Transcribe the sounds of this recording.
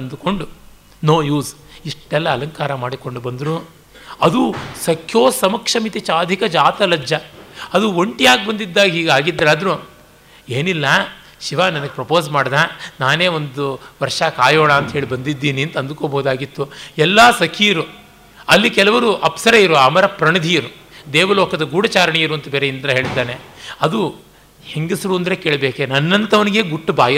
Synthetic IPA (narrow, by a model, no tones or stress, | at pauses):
ɐnd̪uko̞ɳɖu | noːjuːs | iʂʈɛlːɐːlɐŋkaːɾɐmaːɽiko̞ɳɖubɐnd̪ɾu | ɐd̪usɐkʰjoːsɐmɐkʂɐmit̪it͡ʃaːd̪ʱikɐd͡ʒaːt̪ɐlɐd͡ʒjɐɐd̪uoɳʈijaːɡ̚bɐnd̪id̪ːaːɡɐɦiːɡaːɡid̪ːɾaːd̪ɾu | eːnilːɐ | ʃiʋaːnɐnɐɡepɾɐpo̞ːsmaːɽd̪aːnaːne̞ːo̞nd̪uʋɐɾʂakaːjoːɭaːɐnt̪ɐɦeːɭibɐnd̪id̪ːiːniɐnt̪ɐnd̪ukoːbɐɦud̪aːɡit̪ːuɛlːaːsɐkʰijiɾu | ɐlːikɛlɐʋɐɾuʔɐpsɐɾɐiɾuɐmɐɾɐpɾɐɳɐd̪ʱijiɾu | d̪eːʋɐlɔːkɐd̪ɐɡuːɽɐt͡ʃaːɾɐɳijiɾuɐnt̪ɐbeːɾeind̪ɾɐɦe̞ːɭid̪ːaːneɐd̪u | heŋɡisɾuːɐnd̪ɐɾekeːɭbeːkenɐnːɐnt̪ɐʋɐniɡe̞ːɡuʈːubaːjɐ